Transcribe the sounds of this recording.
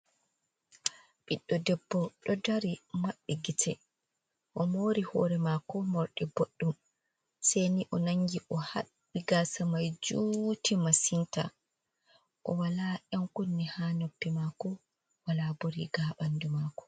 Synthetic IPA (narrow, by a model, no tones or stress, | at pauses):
ɓiɗːɔdɛbːɔɗɔdaɾimaɓːiɡitʰɛ | ʔɔmoːɾihɔːɾɛmakɔmoɾɗɛboɗːum | sejniʔɔnaŋɡiʔɔhaɓːiɡaːsamajd͡ʒuːtimasinta̰ | ʔɔ̰walaʔɛmkunːihaːnopːimakɔ | walaboɾiɡaːɓandumaːkɔ̥